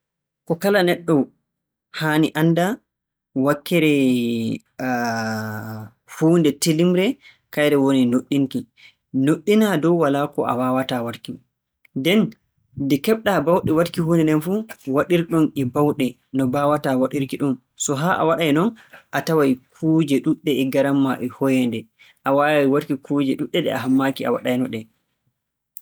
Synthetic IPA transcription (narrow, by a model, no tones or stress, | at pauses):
kɔkalanɛɗːɔ | haniʔanːda | wakːɛɾɛ | huːndɛtelimɾɛ | kajɾɛwoninoɗːiŋki | noɗːinadɔwwalakɔʔa̰wawatawaɾki | dɛn | dɛkɛɓɗabawɗɛwatkihuːnɛnɛnfuwaɗiɾɗɔnɛbawɗɛ | nɔbawatawaɗiɾkiɗun | sɔɦaʔa̰waɗajnɔnʔatawajkʰuːd͡ʒɛɗuɗːɛɛɡaɾamːaʔɛhɔjɛndɛ | ʔawawajwaɾkikʰuːd͡ʒɛɗuɗːɛɗɛ̰a̰ɦamːakia̰wa̰ɗajnɔɗɛ